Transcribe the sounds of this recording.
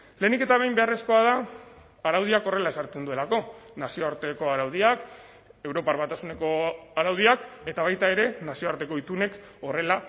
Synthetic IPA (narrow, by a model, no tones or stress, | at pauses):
le̞ːnike̞t̪aβejmbe̞are̞sko̞að̞aː | ɾawð̞iako̞re̞lae̞saɾt̪e̞nd̪ue̞lako̞nasio̞aɾt̪e̞ko̞aɾawð̞iak | e̞wɾo̞paɾβat̪asune̞ko̞aɾawð̞iake̞t̪aβajt̪ae̞ɾe̞nasio̞aɾt̪e̞ko̞it̪une̞k | o̞re̞la